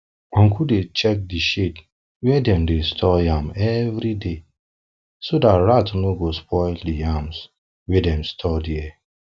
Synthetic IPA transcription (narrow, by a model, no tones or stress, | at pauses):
ɔ̃ŋ̩kʰudet͡ʃɛk̚diʃet | wɛdɛ̃mdestʰɔjamɛvɾide | sodatɹatnoɡospʰɔɪldiams | wɛdɛmstʰɔdiɛ